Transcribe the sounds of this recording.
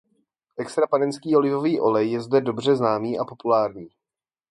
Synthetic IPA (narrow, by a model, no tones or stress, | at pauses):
ʔɛkst̪ɾapanɛnskiːo̞lɪvo̞viːʔo̞lɛjːɛzdɛdo̞br̝ɛznaːmiːʔapo̞pulaːɾɲiː